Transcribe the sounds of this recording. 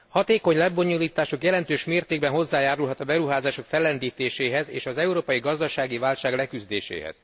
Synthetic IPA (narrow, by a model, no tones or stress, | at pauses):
hɒt̪eːko̞ɲlɛbo̞ɲuliːt̪aːʃo̞kjɛlɛnt̪øːʃmeːrt̪eːɡ̚bɛnɦo̞zːaːjaːɾulɦɒt̪ɒbɛɾuɦaːzaːʃo̞kfɛlːɛnd̪iːt̪eːʃeːɦɛzḛːʃɒzɛuɾoːpɒjiɡɒzd̪ɒʃaːɡivaːlʃaːɡlɛkyzd̪ḛːʃḛːɦɛ̰z̥